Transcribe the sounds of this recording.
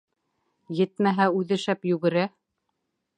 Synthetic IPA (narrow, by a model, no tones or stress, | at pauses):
jɘt̪mæɦæʉðɘ̆ʃæpjʉɡɘ̆ɾæ